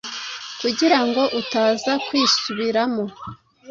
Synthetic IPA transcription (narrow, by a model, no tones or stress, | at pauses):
kuɟiɾaŋɡo̞ʔutaːzakwiːsuβiɾamo̞